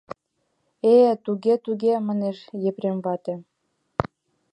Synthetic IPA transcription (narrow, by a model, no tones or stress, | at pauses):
et̪uɣet̪uɣemɑneʃjepremβɑt̪e